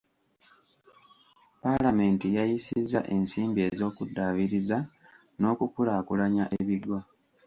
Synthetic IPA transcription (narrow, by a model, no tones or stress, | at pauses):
palame̞ːntijajisizːa̰ʔe̞nsiːmbie̞ːzo̞ːkudːaβiɾiza | no̞ːkukulaːkulaɲaʔeβidwa